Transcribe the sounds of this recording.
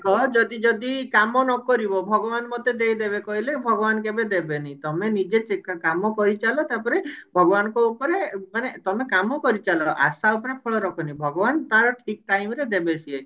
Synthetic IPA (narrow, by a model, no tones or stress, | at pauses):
kɔd͡ʒɔd̪id͡ʒɔd̪ikamɔnɔkɔɾibɔbʱɔɡɔbanmɔt̪ed̪ejd̪eβekɔɦilebʱɔɡɔbankebed̪ebenit̪ɔmenid͡ʒet͡ʃekːakamɔkɔɾit͡ʃalɔt̪apɔɾebʱɔɡɔbanɔ̃kɔupɔɾemanet̪ɔmekamɔkɔɾit͡ʃalɔʔa̰saupɔɾepʰɔɭɔɾɔkʰɔnibʱɔɡɔbant̪aɾɔʈʰik̚ʈajmɾed̪ebesie